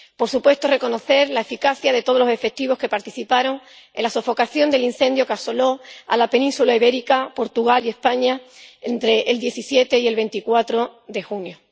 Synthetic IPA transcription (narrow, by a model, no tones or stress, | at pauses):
po̞ɾsupwe̞st̪ore̞ko̞no̞θe̞ɾlae̞fikaθjaðe̞t̪o̞ð̞o̞lo̞se̞fe̞k̚t̪iβ̞o̞ske̞paɾt̪iθipaɾo̞ŋ | enlasofo̞kaθjond̪e̞lin̟θe̞nd̪jo̞kaso̞lo̞a̰lape̞nĩnsulaiβe̞ɾikapo̞ɾt̪uɣ̞alie̞spaɲaent̪ɾe̞ʔːld̪je̞θisje̞t̪e̞ie̞lβẽ̞nt̪ikwat̪ɾo̞ðe̞xunjo